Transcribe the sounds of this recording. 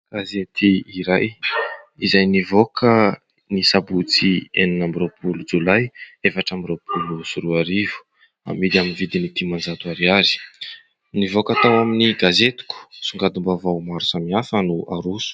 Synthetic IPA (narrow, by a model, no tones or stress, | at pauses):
ɡ̥azet̪iiɾaj | izajnivokʰə | nisabut͡sieninambiropʰulud͡zulajefaʈ͡ʂambiɾowpʰulusuɾuaɾivu̥ | a̰mid̪aminvid̪init̪imand͡zat̪uaɾiaɾi̥ | nivokat̪awaminiɡazet̪u̥kʲu̥suŋɡad̪umbavawmaɾusamiafənuaɾusu̥